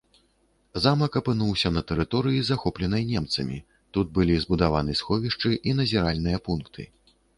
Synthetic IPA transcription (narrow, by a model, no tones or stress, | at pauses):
zamɐkɐpɨnuwsʲɐnɐt̪ɛɾɨt̪ɔɾɨjizaxɔplʲɛn̪ɐjnʲɛmt̪sɐmʲḭ | t̪ud̪̚bɨlʲizbud̪avanɨsxɔvʲiʂt͡ʂɨʔin̪ɐzʲiɾalʲnɨjɐpunkt̪ʰɨ̰